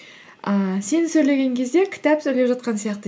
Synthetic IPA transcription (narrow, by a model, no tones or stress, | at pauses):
əse̞nɪsɵjle̞ɡʲe̞ŋkʲʰe̞zd̪e̞kʲʰɪ̥t̪æpsɵjlepʒɑt̪̚qɑnsijɑqt̪ə